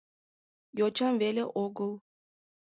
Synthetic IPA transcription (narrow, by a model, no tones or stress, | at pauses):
jot͡ɕɑmvelʲeʔoɡɤlˠ